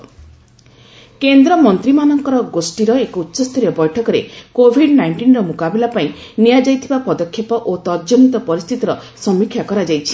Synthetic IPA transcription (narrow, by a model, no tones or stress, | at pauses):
kend̪ɾɔmɔnt̪ɾimanɔŋkɔɾɔɡosʈiɾɔekɔutːʃɔst̪ʰɔɾjɔbɔjʈʰɔkɔɾekobʱiɖnajɳʈinɾɔmukabilapaĩ | nijad͡ʒajt̪ʰibapɔd̪ɔkʰːepɔʔot̪ɔɾd͡ʒonit̪ɔpɔɾist̪ʰit̪ɔɾɔ | sɔmikʰːjakɔɾad͡ʒajt͡ʃʰi̥